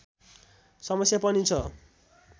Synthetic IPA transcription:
sʌmʌsjapʌnit͡sʰʌ

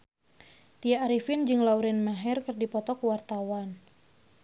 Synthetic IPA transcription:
t̪ijaːɾifɪnd͡ʒɨŋlauɾɛnmaɦɛrkɨrdipɔt̪ɔkwart̪awan

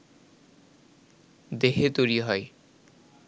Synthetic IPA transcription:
d̪eɦet̪ojɾiɦɔe

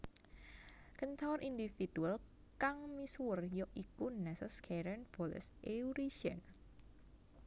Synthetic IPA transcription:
kənt̪awɾʔind̪ifid̪̥ual | kaŋmiswərjɔʔikunɛsəskʰɛɾɛnfɔlɛ̰sʔeuɾiʃɛ̰n

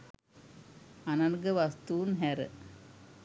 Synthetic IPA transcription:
anɐŋɡəʋast̪uːnɦæɾə̰

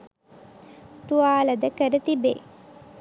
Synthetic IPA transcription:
t̪uaːlɐd̪əkəɾət̪ibḛ

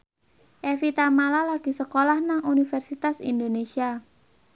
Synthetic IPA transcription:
ʔefit̪amalalaɡ̥i̤səkolahnaŋunifɛrsit̪asḭnd̪onesia

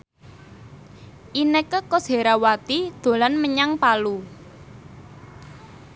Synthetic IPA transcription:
ʔinəkəkɔsɦe̤ɾawat̪id̪̥o̤lanməɲaŋpalu

